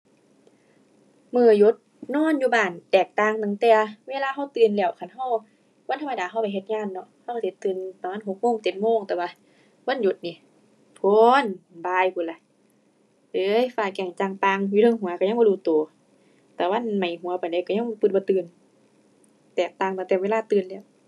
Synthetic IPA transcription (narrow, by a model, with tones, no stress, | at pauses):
mɯː˧˩jo˧˦˥t̪̚nɔː˧˥˨njuː˧baː˧˩nt̪ɛː˨˩k̚t̪aː˧˨ŋt̪ɯ˧˨˩ŋt̪ɛː˧weː˧˨laː˧ɦa˧˥˨wt̪ɯː˨˩nlɛː˧˩˨wkʰa˧˩nɦa˧˩w | wa˧˥˨nt̪ʰa˧m˧daː˨˦ɦa˧˥˩wpa˨jɦe˧t̪̚ŋaː˧˥˨nːɔ˧ʔha˧˨wʰa˧˩t̪ʰe˧˦t̪ːɯː˧˩npa˧˦maː˧˥˨n˨ɦo˧˦k̚moː˧˥˨ŋt̪e˨˧˦t̪̚moː˧˥˨ŋt̪ɛː˧˩waː˧ | waː˧˥˨njo˧˦t̪̚niː˧˨ | pʰo˧˨nbaː˧jpʰuː˧˩la˧˨ʔ | ʔɤː˧˦jfaː˧˩kɛ˧˩ŋt͡ɕaː˧ŋpa˧ŋjuː˧lɤ˧˨ŋɦu˨˦ɐka˧˩ɲa˧˥˨bɔː˧duː˧˩t̪oː˨˩˦ | t̪ɛː˧˩wa˧˥˨nma˨˩jɦu˨˦ɐpaː˨nda˧˨jkaː˧˩ɲa˧˥ŋ˧pɯ˧t̪̚bɔː˧˦t̪ɯː˧˩n | t̪ɛː˨˩k̚t̪aː˧˨ŋt̪a˧˨t̪ɛː˧˩weː˧˥˨laː˧˨t̪ɯː˧˩nlɛː˧˩˨w